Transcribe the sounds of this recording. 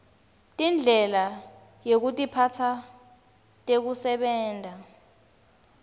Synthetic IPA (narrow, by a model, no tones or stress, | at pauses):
tʼind͡ɮʱɛla | jek̬utʼipʰatʰa | tʼek̬usɛɓɛːndʱa